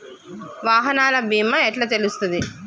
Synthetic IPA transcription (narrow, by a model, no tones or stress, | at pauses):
ʋaːɦɐnaːlɐbʱiːmɐeʈlɐt̪elust̪und̪i